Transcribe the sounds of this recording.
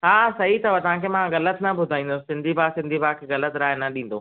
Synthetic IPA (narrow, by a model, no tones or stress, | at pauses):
ɦaːsɐɦit̪ɐʋɐt̪ɐʋ̤ãkʰemãɣɐlət̪ɪnɐbʱʊd̪ʱaːĩːnd̪ossɪ̃nd̪ʱibʱaːsɪ̃nd̪ʱibʱaːkʰeɣɐlət̪ɾaːɪnɐɗĩːn̆d̪oː